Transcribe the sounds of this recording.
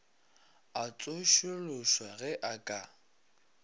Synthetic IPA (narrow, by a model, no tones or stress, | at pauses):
at͡sʼʊʃʊlʊʃwaɣɛʔakʼa